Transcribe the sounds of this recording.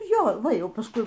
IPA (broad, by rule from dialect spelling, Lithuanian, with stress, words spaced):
ˈjoː ˈʋɐ ˈjɛʊ pɐsˈkʊɪ